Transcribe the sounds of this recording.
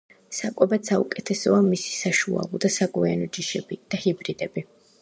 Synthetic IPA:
sakʼɛbat̪saukʼɛt̪ʰɛsɔamisi̥saʃua̰lˠɔd̪asaɡʼwianɔd͡ʒiʃɛbid̪̥ahibɾid̪ɛbi

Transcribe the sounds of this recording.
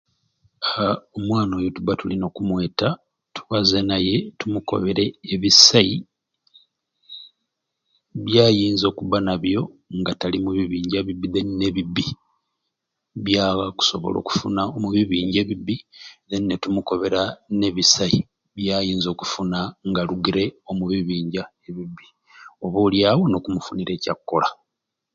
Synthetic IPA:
omwaːno̞ːjotuβatulino̞kumwe̞ːta | tu̥βazenaje̞tumuko̞̰βe̞ɾeːβisai | βjaːjiːnzo̞ːkuβanaβjo̞ŋɡatalimuβiβiːɲɟeβibiðenne̞βibːi | βjaːɣaku̥so̞βo̰lo̞̰ːku̥funaomuβiβiːɲɟe̞βibiðeninetumuko̞βe̞ɾane̞βisai | βjaːjiːnzo̞ːku̥funaŋɡaluɡiɾe̞o̞muβiβiːɲɟae̞βibːi | o̞βoːljaːwono̞kumufuniɾe̞ːca̰kːola

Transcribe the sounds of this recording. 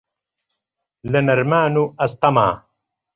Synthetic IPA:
lɐnɐɾmaːnuʔɐst̪ɑma̰ː

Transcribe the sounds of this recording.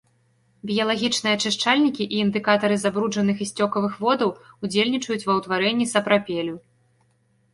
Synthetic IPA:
bʲijɐlˠaɣʲit͡ʂnɨjɐt͡ʂɨʂt͡ʂalʲnʲikʲiʔiːnd̪ɨkat̪ɐɾɨzabɾud͡ʐɐnɨxisʲt͡sʲɔkɐvɨxvɔd̪ɐwud͡zʲelʲnʲit͡ʂɐjut͡sʲvɐwt̪vaɾɛnʲːisɐpɾapʲelʲu

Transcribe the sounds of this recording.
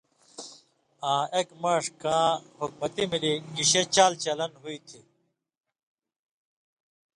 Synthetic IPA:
ãːekmaʂkãːhuk̚mɐt̪imilikiɕet͡ɕaːlt͡ɕɐlɐnɦuit̪ʰi

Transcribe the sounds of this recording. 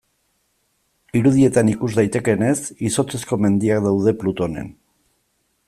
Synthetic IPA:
iɾuð̞ie̞t̪anikuzd̪ajt̪e̞ke̞ne̞siso̞t͡se̞sko̞me̞nd̪iakd̪awð̞e̞plut̪o̞ne̞̰n

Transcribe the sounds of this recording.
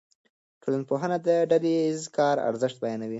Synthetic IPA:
ʈʰolanpoɦənad̪əɖalezkɑɾa̰ɾzəʂt̪̚bajɑnawi

